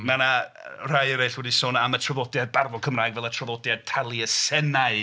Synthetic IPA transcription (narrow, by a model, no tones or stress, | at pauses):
manar̥ajəɾejɬwɛdisoːnamətʰrɔðɔdjad̚barvɔkʰəmraːjɡvɛlˠətʰrɔvɔdjad̚tʰalˠiəsɛnaɨ